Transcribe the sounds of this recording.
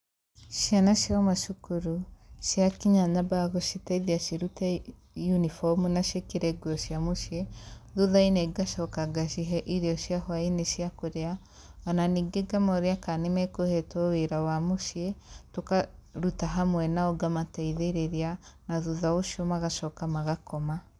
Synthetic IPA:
ʃianaʃiɔmaʃukuɾuʃjakiɲaɲabaɣoʃitaiðiaʃiɾuta | junifɔmunaʃekiɾeɡwoʃjamuʃieðuðaineɡaʃɔkaɡaʃiɦɛʔiɾiɔʃjahwainiʃijakuɾea | ananiɡeɡamɔɾiakanemɛkohɛtoweɾawamuʃietokaɾutaɦamwɛnaɔɡamataiðeɾeɾianaðuðaoʃiomaɣaʃɔkamaɣakɔma

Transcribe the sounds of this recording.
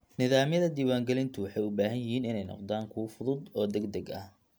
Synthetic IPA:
nɪðaːmjɐðɐd̪iːwaːŋɡɛlɪnt̪ʰʊwɑħɑjʊbaːɦɐnjɪɦiːnɪnɛjnɔ̰qd̪aːŋkʰʊwfʊðʊd̪ɔːd̪ɐɡd̪ɐɡɐ̰h

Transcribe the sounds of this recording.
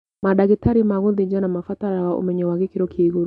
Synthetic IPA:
maɗaɣitaɾimaɣuðid͡ʒanamafat̪aɾawaʔṵmɛɲɔwaɡɪkiɾɔkʰiːɣuɾ

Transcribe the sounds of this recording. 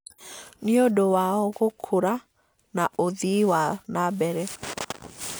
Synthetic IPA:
niodowaɔɣokʰoɾa | naʔoðiwanabɛɾɛ

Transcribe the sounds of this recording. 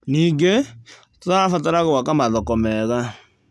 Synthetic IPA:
niːŋɡe | toafat̬aɾaɣowakamaðɔkɔmɛɣa

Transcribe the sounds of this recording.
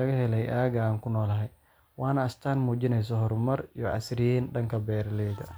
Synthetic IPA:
ɐɣɐhɛlɛjʔaːɣɐaːŋkʰʊnɔːlɐɦɛj | wɑːnɐːst̪ʰaːnmuːt͡ʃɪnɛjs̬ɔɦɔɾʊmɐrijɔʔɐ̰sɾinɖɐŋkʰɐbɛːɾɐlɛːd̪ɐ

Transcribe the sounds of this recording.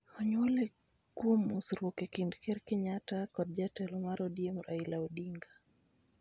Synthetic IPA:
ɔɲwɔle | kuomusɾokɛkindkɛɾkɛɲatakɔd̚d͡ʒatɛlɔmaɾɔdiemuɾʔailaɔdiŋɡa

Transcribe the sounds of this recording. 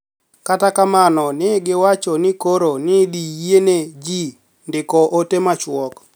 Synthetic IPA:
katakamanɔnɪɡɪwat͡ʃɔnɪkoɾonɪdiened͡ʒi | ndɪkɔʔotemat͡ʃwɔk

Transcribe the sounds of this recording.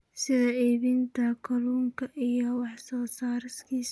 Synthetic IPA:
sɪðɐɛːβint̪ʰɐkʰɔluːŋkʰɐʔijɔwɑħsɔːsaːɾɪskʰiːs

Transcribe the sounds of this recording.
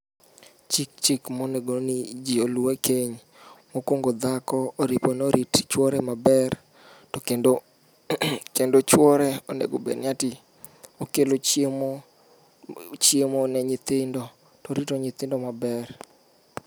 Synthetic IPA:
t͡ʃɪk̚t͡ʃɪkmɔneɡonid͡ʒioluwekeɲ | mokwoŋɡod̪akɔoɾiponoɾʔitt͡ʃwɔɾɛmabɛr | tɔ | kendot͡ʃwɔɾɛonḛɡobḛnɪatɪ | okelot͡ʃem | t͡ʃjemonɛɲɪt̪ɪndɔ | tɔɾitoɲɪt̪ɪndɔmabɛr

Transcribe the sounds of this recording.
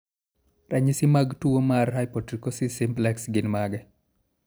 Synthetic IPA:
raɲisɪmaɡtuomarɦajpɔtɾikɔsisɪmplɛksɡɪnmaɡɛ

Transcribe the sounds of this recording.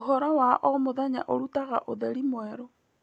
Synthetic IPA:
ɦɔɾɔwaʔɔmoðaɲa̰ʔoɾutaɣa̰ʔoðɛɾimwɛɾɔ

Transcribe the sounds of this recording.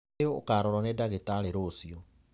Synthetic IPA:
eo̰ːkaːɾɔɾɔnedaɣetaleɾoːsiɔ

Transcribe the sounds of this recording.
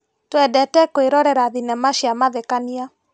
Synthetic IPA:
twɛdɛtɛkoeɾɔɾɛɾaðinɛmaɕjamaðekania

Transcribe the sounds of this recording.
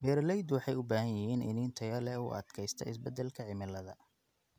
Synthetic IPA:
bɛːɾlɛjd̪wɑħɑjʊbaːhɐjjɪhiːnʔɪ̰nɪːnt̪ʰɐjɐlɛṵːʔɐ̰d̪kʰɛjst̪ʰɐ̰ɪ̰sbɛd̪ɛlkʰɐʕɪmɪlːɐðɐ

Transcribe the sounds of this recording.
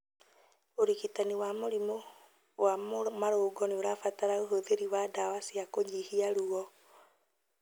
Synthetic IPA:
oɾikitaniwamoɾimo | wammaɾoːɡɔneoɾafataɾaoɦoðeɾiwadawasiakoɲihiaɾuɔ

